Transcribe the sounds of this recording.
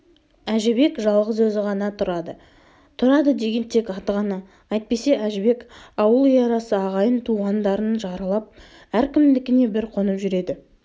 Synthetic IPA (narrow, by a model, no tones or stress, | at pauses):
æʒɪbe̞kʒɑlˠʁəzwɵzɪʁɑnɑt̪ʰʊɾɑd̪ə | t̪ʰʊɾɑd̪əd̪e̞ɡʲe̞nt̪ʰe̞kɑt̪əʁɑnɑ | ɑjt̪̚pe̞se̞ʔæʒɪbe̞kɑwəlˠijɑɾɑsəɑʁɑjənt̪ʰuʁɑnd̪ɑɾənʒɑɾəlˠɑp̚ | æɾkʲʰɪmd̪ɪkʲɪne̞bɪɾqʰo̞nəpʒʏɾe̞d̪ɪ